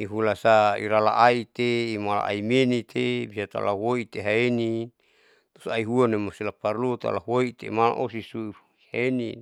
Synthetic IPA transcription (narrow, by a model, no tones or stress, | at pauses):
iɦulasaḭɾala̰ʔait̪eːmala̰ʔa̰imenit̪ʰebisat̪a̰lawoit̪eɦaeni | t̪o̥saiɦuanemosilaparlut̪a̰lawoit̪ḛmala̰ʔosisui | haeni